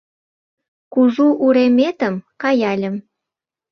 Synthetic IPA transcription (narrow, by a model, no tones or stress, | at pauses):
kuʒuʔuɾemet̪əmkɑjɑlʲə̆m